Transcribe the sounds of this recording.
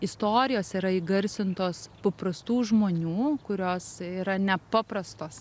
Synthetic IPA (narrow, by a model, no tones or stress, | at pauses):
ɪst̪oːɾʲɪjoːsiːɾɐɪːɡɐɾʲsʲɪnt̪oːspɐpɾɐst̪uːʒmoːnʲuːkʊɾʲoːsiːɾɐnʲɛpɑːpɾɐst̪oːs